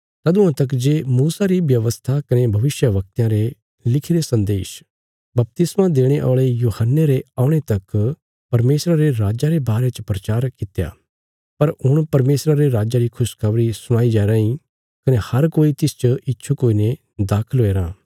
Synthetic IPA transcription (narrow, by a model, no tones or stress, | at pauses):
t̪ɐd̪ʊ̃ãt̪ɐkd͡ʒeːmuːsaɾibjɐʋəst̪ʰakɐnebʱɐʋɪsjəʋɐk̚t̪jãɾe | lɪkʰiɾesɐ̃nd̪eːʃ | bɐp̚t̪ɪsmãd̪eːɽ̃eʔɔ̰ːɭejuːhənːeɾeaːʊɽ̃et̪ɐk | pɐɾmeːsɾaɾeɾaːd͡ʒaɾebaːɾet͡ʃəpɾɐt͡ʃaːɾkɪt̪ja̰ː | pɐɾʊɽ̃pɐɾmeːsɾaɾeɾaːd͡ʒaɾikʰʊskʰɐʋɾisʊɽ̃aːid͡ʒaːɾãːĩ | kɐnehɐɾkoːit̪ɪst͡ʃəʔɪtːʃʰukoːine | d̪aːkʰəlɦoːeːɾãː